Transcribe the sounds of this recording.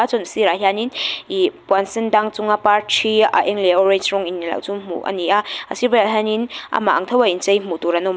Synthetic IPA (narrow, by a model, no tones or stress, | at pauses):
at͡ʃɔnsiɾaɦjaninipwansindaŋt͡suŋapaɾtʰia̰ʔeŋleɔɾejsɾɔŋinːila̰wt͡ʃumṵʔɐ̰niaɐ̰sibajaɦanina̰maa̰ŋtʰɐwaint͡ʃajmutuɾanom